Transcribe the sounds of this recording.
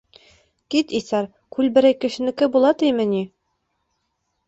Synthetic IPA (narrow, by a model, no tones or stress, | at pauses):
kit̪isɑɾ | kʉlbɘ̆ɾæjkɘ̆ʃɘ̆nɘ̆kɘbulˠɑt̪imɘ̆ni